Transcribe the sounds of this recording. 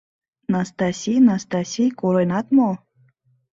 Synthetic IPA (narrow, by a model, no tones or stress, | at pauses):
nast̪asʲijnast̪asʲijkuɾɔjnat̪molˠ